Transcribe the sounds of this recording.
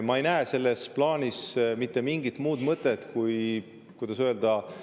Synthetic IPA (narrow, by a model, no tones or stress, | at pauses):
mɑejnæeːse̞lːe̞splɑːnʲismit̪ːˑe̞miŋɡit̪muːd̪mɤt̪ːˑe̞t̪kuj | kujd̪̥ɑsøe̞ld̪ɑ